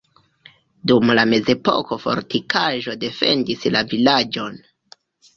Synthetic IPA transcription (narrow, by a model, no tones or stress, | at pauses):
dumlame̞ze̞po̰ko̞fo̞̰ɾtikʰaʒo̞de̞fe̞̰ndislavilad͡ʒo̞n